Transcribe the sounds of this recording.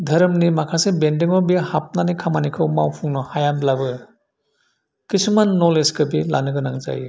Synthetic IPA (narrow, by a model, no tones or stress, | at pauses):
dʱɐɾmnimakʰasebendiŋɔbihap̚nanikʰamanikʰɯwmawpʰuŋnɔhajamblabɯ | kismanːoleskɯbila̰nɯɡɯnaŋza̰j